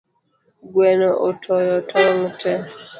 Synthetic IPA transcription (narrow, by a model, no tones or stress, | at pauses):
ɡwɛnɔʔotʰɔjɔtʰɔŋtɛ